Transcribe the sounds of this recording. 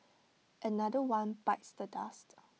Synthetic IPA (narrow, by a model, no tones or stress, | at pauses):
ʔənadəwãnbaɪtsdədast